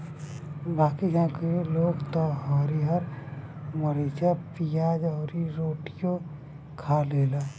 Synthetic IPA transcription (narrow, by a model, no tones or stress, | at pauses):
baːkid͡ʒãːkeloːɡt̪ɔɦɔːɾiɦɐɾ | məɾeːt͡ʃapijaːd͡ʒɔːɾiɾoːʈijõ | kʰaːleːla